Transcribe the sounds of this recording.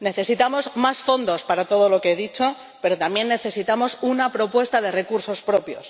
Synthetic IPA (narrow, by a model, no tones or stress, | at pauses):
ne̞θe̞sit̪amo̞zmasfo̞nd̪o̞spaɾat̪o̞ð̞o̞lo̞keeðit͡ʃo̞ | pe̞ɾo̞t̪amje̞nːe̞θe̞sit̪amo̞sunapɾo̞pwe̞st̪aðe̞re̞kuɾso̞spɾo̞pjo̞s